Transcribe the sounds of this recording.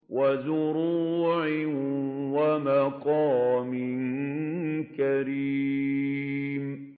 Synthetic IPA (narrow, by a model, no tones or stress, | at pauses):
wʔazʊɾuːʕɪwamaqɑːmɪn | kaɾi | m